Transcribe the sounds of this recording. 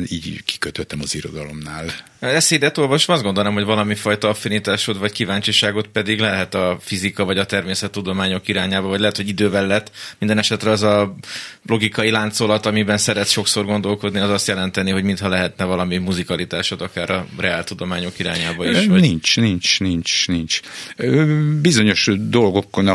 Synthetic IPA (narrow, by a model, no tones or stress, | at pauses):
nḭːɟki̥køt̪øt̪ɛmɒziɾo̞̰d̪ɒlo̞mnaːl | ɛseːd̪ɛt̪o̞lvɒʃomɒzd̪ɡond̪onamɦo̞ɟvɒlɒmifɒjt̪ɒɒfinit̪aːʃot̪vɒckivaːɲt͡ʃiʃaːɡo̞t̪pɛd̪iɡlɛɦɛt̪ɒfizikɒvɒɟɒt̪ɛrmeːsɛt̪ːud̪o̞maːɲo̞kiɾaːɲaːbɒvɒɟlɛɦɛt̪hoɟid̪øːvɛlːɛt̪ːmind̪ɛnɛʃɛt̪rɛɒzɒ | lo̞ɡikɒjilaːnt̪so̞lɒt̪ɒmibɛnsɛɾɛt̪ʃo̞kso̞rɡo̞nd̪o̞lko̞d̪niɒzɒst̪jɛlɛnt̪ɛniɦo̞ɟmint̪hɒlɛɦɛt̪nɛvɒlɒmimuzikɒlit̪aːʃo̞t̪ɒkaːɾɒrɛaːlt̪ud̪o̞maːɲo̞kiɾa̰ːɲaːbɒiʃʋɒnint͡ʃnint͡ʃnint͡ʃnint͡ʃ | bizo̞ɲo̞ʃd̪o̞lɡo̞kːon